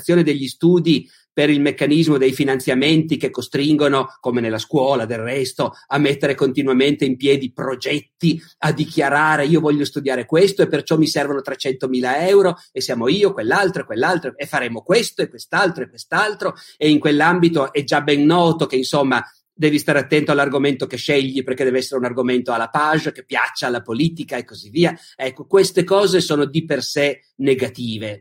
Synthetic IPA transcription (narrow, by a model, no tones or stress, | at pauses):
sːjoːned̪eʎːist̪uːd̪i | peɾilmekːanizmod̪ejfinant̪sjament̪ikekːost̪ɾiŋɡonokomenelːaskwɔːlad̪errɛst̪oamːet̪ːeɾekont̪inwament̪eimpjɛːd̪ipɾod͡ʒɛt̪ːi | ad̪ːikjaɾaːɾeiːovɔʎːost̪ud̪jaːɾekwest̪oepːert͡ʃɔmːisɛrvanot̪ɾet͡ʃɛnt̪omiːlaɛwɾo | esːjaːmoiːokwelːalt̪ɾoekwelːalt̪ɾoefːaɾeːmokwest̪oekwest̪alt̪ɾoekːwest̪alt̪ɾoeiŋkwelːambit̪oʔɛd͡ʒabɛnːɔːt̪ok̟einsomːa | d̪ɛːvist̪aːɾeat̪ːɛnt̪oalːarɡoment̪okeʃːɛʎːiperk̟ed̪ɛveɛsːeɾeunarɡoment̪oalːapaʒkepːja̰t͡ʃːaːlːapoliːt̪ikaekːozivːiːa | ɛkːokwest̪ekɔːzesoːnod̪iperse | neɡat̪iːve